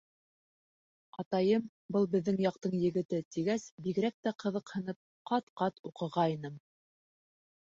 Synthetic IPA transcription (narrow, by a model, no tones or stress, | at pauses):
ɑt̪ɑjɤm | bɤlˠbɘ̆ðːɘŋjɑq̚t̪ɤɴjɘ̆ɡɘ̆t̪ɘt̪iɡæsbiɡɘ̆ɾæk̚t̪æqɤ̆ðɤqhɤ̆nɤp̚qɑt̪qɑt̪uqɤ̆ʁɑinɤm